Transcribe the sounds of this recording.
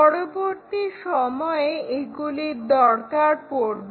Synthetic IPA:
ɔɽoboɾt̪iʃɔmɔeeɡuliɾd̪ɔɾkaɾpoɾbe

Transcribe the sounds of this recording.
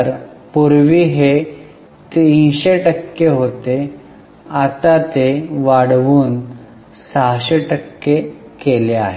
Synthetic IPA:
əɾ | puɾʋiːɦe | t̪eĩɕeʈəkːeɦot̪e | at̪at̪eʋaɽʋuːn | saɦɕeʈəkːe | keleaɦe

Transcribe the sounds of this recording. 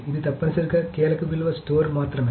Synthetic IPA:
ɪðɯt̪ɐpːɐsɪɾɯkːɐkeːlɐkːɯʋɪlʋɐsʈoːɾmaːt̪ɾɐm

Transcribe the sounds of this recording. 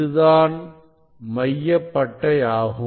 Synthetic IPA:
ɯðaːn | mɐjːɐpːɐʈːɐjaːɣɯ

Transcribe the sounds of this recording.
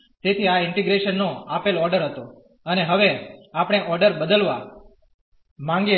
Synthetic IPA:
t̪et̪ʰiaɪɳʈiɡɾeʃənːoapelɔɾɖəɾɦət̪o | əneɦəʋeapɳ̃eʔɔɾɖəɾbəd̪əlʋa | mãŋɡe

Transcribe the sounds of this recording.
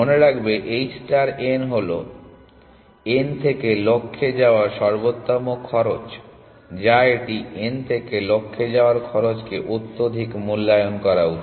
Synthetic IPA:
oneɾakbeʔejsʈaɾenɦolo̰ | ent̪ʰekelokʰːed͡ʑaoaɾʃɔɾbot̪ːɔmokʰɔɾot͡ɕ | d͡ʑaeʈient̪ʰekelokʰːed͡ʑaoaɾkʰɔɾot͡ɕkeʔut̪ːod̪ʱikmulːajonkɔɾaut̪ʰ

